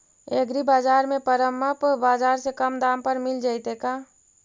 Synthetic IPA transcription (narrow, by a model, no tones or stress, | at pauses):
eɡɾibaːd͡ʒaːɾmẽpəɾəməpbaːd͡ʒaːɾsekəmd̪ampəɾmɪld͡ʒaɪt̪eka